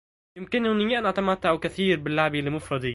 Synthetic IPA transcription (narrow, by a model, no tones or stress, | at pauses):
jɪmkɪnhʊnɪjæʔænʔæt̪æmæt̪ːaʕukæθiːɾbɪlːaʕbilːɪmʊfɾˤɑd̪i